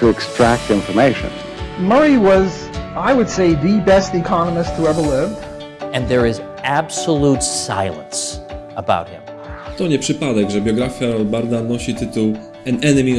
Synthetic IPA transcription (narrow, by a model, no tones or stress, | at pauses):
tʰɨɨkstɹ̥æk̚tɪ̃ɱfə˞meɪʃɨ̰̃n | mə˞iwʌz | aɪwɨd̥seɪðɨbɛstɨkʰɑnəmɨstʰəɛvə˞lɪvd̥ | ɨ̃nðə˞ɪz | æb̥səlutsa̰ɪlˠə̰̃nsəba̰ʊt̚hɪ̰̃m | t̪ɔɲɛpʂɨpad̪ɛɡʐɛbʲjɔɡɾafʲjaɔbaɾd̪anɔɕit̪ɘt̪uw | ɛnɛnɛmʲi